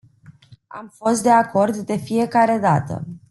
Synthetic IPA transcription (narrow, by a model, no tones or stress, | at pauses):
a̰mfo̞st̪̚d̪e̞ako̞rd̪ːe̞fije̞kaɾe̞d̪a̰t̪ə̰